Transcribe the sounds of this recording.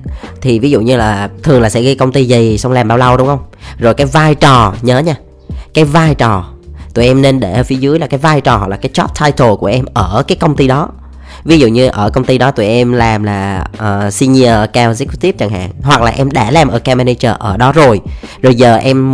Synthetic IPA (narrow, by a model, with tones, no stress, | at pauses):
t̪ʰi˨˩vi˨˦zṵ˧˨ɲɨ˧laː˨˩t̪ʰɨ˨˩əŋlaː˨˩sɛ̰˧˥ɣi˨˦kə˧wŋ͡mt̪i˧zi˨˩sa˧ŋ͡mlaː˨˩mɓaː˧wlə˧wɗʊ˨˦ŋ͡mhə˧wŋ͡mzo˨˩jkaː˨˦jvaː˧jt͡ɕɔ˨˩ɲəː˨˦ɲaː˧ | kaː˨˦jvaː˧jt͡ɕɔ˨˩t̪u˨˩jʔɛ˧mne˧nɗe˧˩əː˧˩fi˨˦zɨ˨˦jla˨˩kaː˨˦jvaː˧jt͡ɕɔ˨˩ɦɔ̰˨˩laː˨˩kːjt͡ɕɔ˦˥p̚t̪ʰaː˧jt̪ʰo˨˩ku˧˩əʔɛ˧mʔəː˧˩kaː˨˦jkə˧wŋ͡mt̪i˧ɗɔ˨˦ | vi˨˦zṵ˧˨ɲɨ˧ʔəː˧˩kə˧wŋ͡mt̪i˧ɗɔ˨˦t̪u˧˩˨jʔɛ˧mlaː˨˩mlaː˨˩ʔəː˨˩si˧ni˧ə˧kaː˧wzi˦˥kt̪i˦˥p̚t͡ɕa˨˩ŋɦa̰ː˧˨ŋɦwa˨˩k̚laː˨˩ʔɛ˧mɗa̰ː˧˩laː˨˩mʔəː˧˩kaː˧mɛ˧ne˧jt͡ɕəː˧˩ʔəː˧˩ɗɔ˨˦zo˨˩jzo˨˩jzəː˨˩ʔɛ˧m